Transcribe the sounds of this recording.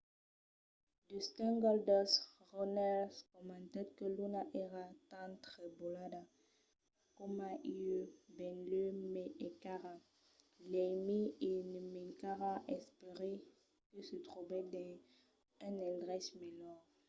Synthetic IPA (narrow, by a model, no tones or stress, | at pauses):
d̪ystɛ̃ŋɡɔld̪ɔs | ʁɔnɛlskɔmãnt̪ɛt̪̚kəlunaʔeʁat̪ãt̪ʁɛbolada | kɔmaʔiøbɛ̃nlømɛekaʁa | lɛmienəmɛkaʁaʔɛspeʁe | kəsət̪ʁuvɛd̪ɛ̃ | ɛ̃nɛ̃ldʁɛsmɛlɔʁ